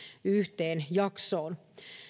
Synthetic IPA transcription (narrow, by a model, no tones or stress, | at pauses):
yht̪e̞ːnjɑkso̞ːn